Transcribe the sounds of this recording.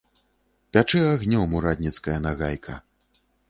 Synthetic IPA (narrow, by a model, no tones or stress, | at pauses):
pʲat͡ʂɨaɣnʲɔmuɾad̪ʲnʲit̪skɐjɐnaɣajkʰɐ̰